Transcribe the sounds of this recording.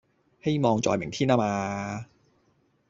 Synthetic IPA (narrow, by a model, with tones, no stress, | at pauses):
he˥jmɔː˨˧ŋt͡sɔ̰ː˨˧jmɪ˨˩ŋt̪ʰiː˥naː˥maː˧